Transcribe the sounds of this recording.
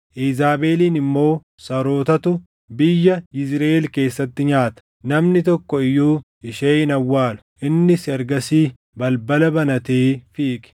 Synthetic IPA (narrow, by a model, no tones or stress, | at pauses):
ʔizaːbeːliːnɪmːo̞ː | sɐɾo̞ːt̪ɐt̪ʊ | bɪjːɐɪsɾɐːelke̞ːsːɐt̪ːɪɲaːt̪ɐ̥ | nɐmnɪt̪ɔkːɔɪjuː | ɪʃeːʔɪnɐwːaːlʊ̥ʔɪnːɪsɐɾɡɐsiː | bɐlbɐlɐbɐnɐt̪eːfiːkɪ̥